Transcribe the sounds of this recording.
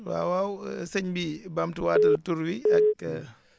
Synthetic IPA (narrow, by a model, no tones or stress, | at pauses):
wa̰ːwawsɛɲbibamtiwaːtɐtuɾwiɐkːə